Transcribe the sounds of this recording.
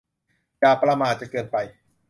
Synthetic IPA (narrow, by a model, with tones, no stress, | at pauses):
jaː˨˩pɾaː˧maː˧˩t̪̚t͡ɕa˨˩kɤː˧npa˧j